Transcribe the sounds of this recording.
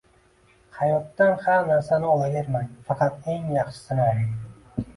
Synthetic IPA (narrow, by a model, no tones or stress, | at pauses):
hɑjɒt̪ːanhamnaɾsanɪɒlˠavʲeɾmajfɑqʰɑt̪e̞ŋjɑχʃɪ̥sɪnaɾɪ